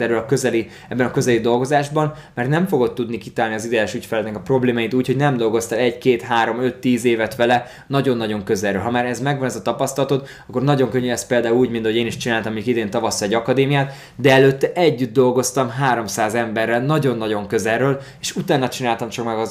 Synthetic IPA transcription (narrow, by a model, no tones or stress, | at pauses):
ɛrøːlɒkøzɛli | ɛbːɛnɒkø̞zɛlid̪o̞lɡo̞zaːʒbɒn | mɛrt̪nɛɱfo̞ɡo̞t̪ːud̪nikit̪aːlniɒzid̪ɛjɛʃycfɛlɛt̪nɛkɒpro̞bleːmaːjit̪uːcho̞ɟnɛmd̪o̞lɡo̞st̪ɛlɛɟkeːt̪ɦaːɾo̞mø̞t̪ːiːzeːvɛt̪ʋɛlɛ | nɒɟo̞nːɒɟo̞ŋkø̞zɛrːø̰ːlɦɒmaːɾɛzmɛɡʋɒnɛzɒt̪ɒpɒst̪ɒlɒt̪ot̪ | ɒkːo̞rnɒɟo̞ŋkøɲːyɛst̪̚peːld̪aːuluːɟmint̪ɒhoeːniʃt͡ʃinaːlt̪ɒmoɲukid̪eːnt̪ɒvɒsːɒɛɟɒkɒd̪eːmijaːt̪ | d̪ɛɛløːt̪ːɛʔɛɟːyd̪̚d̪o̞lɡo̞st̪ɒmɦaːɾo̞msaːzɛmbɛrːɛlnɒɟo̞nːɒɟo̞ŋkø̞zɛrøːl | eːʃut̪aːnːɒt͡ʃinaːlt̪ɒmt͡ʃɒkmɛɡɒ